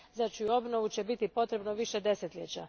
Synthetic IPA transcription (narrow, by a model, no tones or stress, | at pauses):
zat͡ʃujuo̞bno̞ʋut͡ɕe̞bit̪ipo̞t̪ɾe̞bnoʋiʃe̞d̪e̞se̞t̪ʎʲet͡ɕa